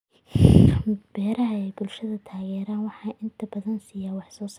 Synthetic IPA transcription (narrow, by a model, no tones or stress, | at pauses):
b̥ɛːɾɐɦɐɛjbʊlʃɐðɐt̪ʰaːɣɛːɾaːnwɑħɑːʔɪnt̪ʰɐbɐðɐnsiːjaːwɑħsɔːs